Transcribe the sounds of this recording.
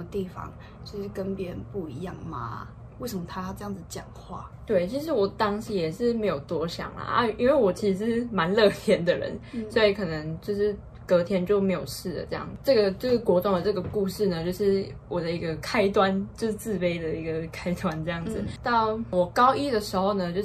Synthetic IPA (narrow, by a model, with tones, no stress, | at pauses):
ə˥˩mə˧t̪i˥˩fɑ̰˨ŋ | t͡ɕo˥˧ʊʂɻ̩˥˩kə˦npjɛ˧˥ə˧˦npu˥˩i˧˥jɑ˥˩ŋma̰˩ | we˥˩ɪʂə˨˩mə˧t̪ʰa˥ʈ͡ʂɤ˥˧jɑ˥˩ŋd͡zt͡ɕjɑ˨˩ŋxwa̰˥˩ | t̪we˥˩ɪt͡ɕʰi˧˥ʂɻ̩˧˥wɔ˨˩t̪ɑ˥ŋɕi˧˥jɛ˨˩ʂɻ̩˥˩me˧˥ɪjo˨˩ʊt̪wɔ˥ɕjɑ̰˨˩ŋlə̰˩a̰˥˧i˥nwe˥˩ɪwɔ˨˩t͡ɕʰi˧˥ʂɻ̩˧˥ʂɻ̩˥˩ma˧˥nlɤ˥˧t̪ʰjɛ˥nd̪ə˨ɻə̰˧˦nswɔ˧˥i˨˧˩kʰɤ˨˩nə˧˦ŋt͡ɕjo˥˧ʊʂɻ̩˥˩ | kɤ˧˥t̪ʰjɛ˥nt͡ɕjo˥˩ʊme˧˥ɪjo˨˩ʊʂɻ̩˥˩d̪ə̰˩ʈ͡ʂɤ˥˧jɑ̰˥˩ŋ˩ʈ͡ʂɤ˥˩ɡə˩ʈ͡ʂɤ˥˧ɡkwɔ˧˥t̪ʊ˧˥ŋd̪ə˨˩ʈ͡ʂɤ˥˩ɡə˩ku˥˧ʂɻ̩˥˩nə˩t͡ɕjo˥˧ʊʂɻ̩˥˩ | wɔ˨˩d̪ə˩i˧˥ɡə˧kʰa˥ɪt̪wa˦nt͡ɕjo˥˧ʊʂɻ̩˥˩t͡sɹ̩˥˧pe˥ɪd̪ə˨i˧˥ɡə˨kʰa˥ɪt̪wa˦nʈ͡ʂɤ˥˧jɑ˥˩ŋd͡z̩˨˩t̪ɑ˥˩ʊwɔ˨˩kɑ˥ʊʔi˥d̪ə˨ʂɻ̩˧˥xo˥˩ʊnə˨t͡ɕjo˥˧ʊ